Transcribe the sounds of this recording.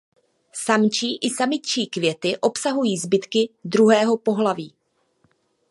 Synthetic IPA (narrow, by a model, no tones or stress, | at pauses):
samt͡ʃiːʔɪsamɪt͡ʃiːkvjɛt̪ɪʔo̞psaɦujiːzbɪt̪kɪd̪ɾuɦɛːɦo̞po̞ɦlaviː